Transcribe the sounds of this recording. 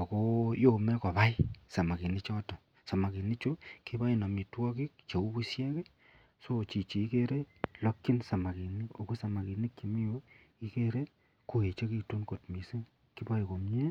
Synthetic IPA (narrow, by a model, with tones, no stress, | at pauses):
o˨ko˦jo˦mɛ˦kɔ˨ba˦i˦sa˨ma˨ki˨ni˦t͡ʃɔ˦tɔ˨ | sa˨ma˨ki˨ni˦t͡ʃo˦ki˦ba˦i˨nɔ˨mi˨twɔ˦ki˦k̚t͡ʃe˨u˦bu˦sjɛ˦ke˦ | so˦˨t͡ʃi˨t͡ʃi˨i˦ke˦ɾe˦lɔ˦kːi˦nsa˨ma˨ki˨ni˦o˨ko˦sa˨ma˨ki˨ni˦kki˨mi˦jo˦ | i˦ke˦ɾe˦ | ku˨e˨t͡ʃe˦ki˧tu˦nko˨tmi˨se˦ | ki˦ba˦i˨ko˨mɲɛ˦